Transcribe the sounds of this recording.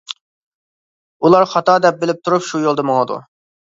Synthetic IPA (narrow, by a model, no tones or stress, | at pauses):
ulˠɑɾχɑt̪ɑd̪ɛp̚bɪlɪp̚t̪ʰuɾupʃujolˠd̪əmoŋəd̪ṵ